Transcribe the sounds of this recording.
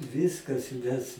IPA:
ˈʋʲɪskɐs mʲɛs

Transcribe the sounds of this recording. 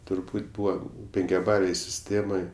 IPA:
tʊrˈbuːtʲ ˈbuːʋɐ pʲɛŋʲkʲɛˈbɑːlʲeːj sʲɪˈsʲtʲeːmoːj

